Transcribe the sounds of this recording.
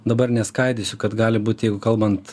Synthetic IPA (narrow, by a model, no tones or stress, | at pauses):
d̪ɐbɐrnʲɛskɐɪd̪ʲɪsʲʊkɐt̪ɡɑːlʲɪbuːt̪ʲjɛɪɡʊkɐlˠbɐnt̪